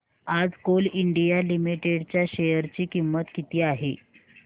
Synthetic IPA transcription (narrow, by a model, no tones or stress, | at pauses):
ad͡zkoliɳɖijalimiʈeɽt͡ɕjaɕejəɾt͡ɕiːkimːət̪kit̪iːaɦe